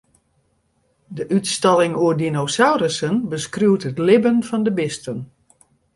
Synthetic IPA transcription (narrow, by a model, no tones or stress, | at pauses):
dəʔytstɑlˠɪŋuərdinosawrəsənbəskruwtətlɪbənfɔndəbɪstən